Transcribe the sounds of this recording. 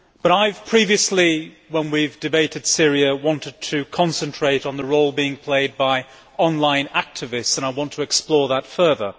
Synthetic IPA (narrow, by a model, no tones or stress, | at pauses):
b̥ʌɾaɪv̥pʰɹ̥iviɨsli | wə̃nwivdɨbeɪɾɨd̥sɪɹiɨwɑ̃ntɨd̚tʰɨkʰɑ̃nsɨ̃ntʰɹ̥eɪɾn̩ðəɹoʊlˠbiɪ̃ŋpʰl̥eɪd̚baɪ | ɑ̃nlãɪ̃næk̚tʰɨvɪstsə̃ñaɪwɑ̃ntʰəɨksplɔɹðətfɜ˞ðə̰˞